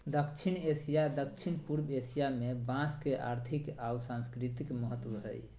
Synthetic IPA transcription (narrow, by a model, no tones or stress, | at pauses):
d̪əkt͡ʃʰinesijad̪ək̚t͡ʃʰinpuɾbesijamebãskeʔa̰ɾt̪ʰikawsãnskɾit̪ikməɦət̪ːwəɦə̰j